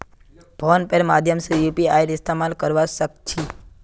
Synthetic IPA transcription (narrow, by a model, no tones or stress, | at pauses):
bʱɔnpeɾmad̪ʱjəmsijupiajɾist̪amalkəɾʋaʃək̚t͡ʃʰi